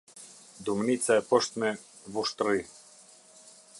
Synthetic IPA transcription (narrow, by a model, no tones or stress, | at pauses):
d̪umnit̪t͡s̪aɛpɔʃt̪mɛ | vuʃt̪ɾi